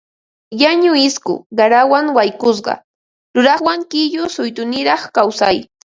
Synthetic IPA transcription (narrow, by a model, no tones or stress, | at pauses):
jaɲʊɪskʊ̰ɢaɾawaŋwajkʊs̬ɢɑ̰ | ɾʊɾɑχwaŋkɪʎʊsʊjt̪ʊnɪɾɑχkawsaj